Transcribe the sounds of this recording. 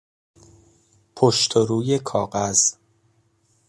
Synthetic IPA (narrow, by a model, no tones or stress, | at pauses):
pʰoʃt̪ʰoɾuːje̞kʰɒːɢæz̥